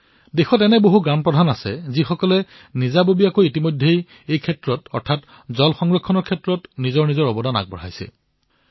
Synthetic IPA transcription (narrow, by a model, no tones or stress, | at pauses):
dexɔtɛnɛboɦuɡɹampɹɔdʱanasɛ̰zixɔkɔlɛ | nizabobijakojitimojdʱːej | ejkʰɛtɹɔtɔ̰ɹtʰat | zɔlxɔŋɹɔkʰːɔnɔɹkʰɛtɹɔtnizɔɹnizɔɹɔbɔdana̰ɡ̚bɔ̰ɹa̰jsɛ̰